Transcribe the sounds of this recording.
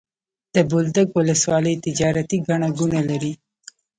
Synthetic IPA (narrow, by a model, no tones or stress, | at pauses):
d̪̥əbold̪əɡwʊləswɑləjt̪ɪd͡ʒɑɾat̪iɡaɳaɡunalaɾi